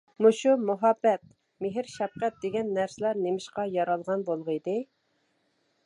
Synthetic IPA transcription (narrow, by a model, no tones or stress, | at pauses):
muʃumʊɦɑbːɛt̪̚ | meɦɪɾʃɛfqæt̪̚d̪eɡʲɛnːæɾsɪlæɾnemɪʃqɑjɑɾɑlˠʁɑnbolˠʁəid̪ɪ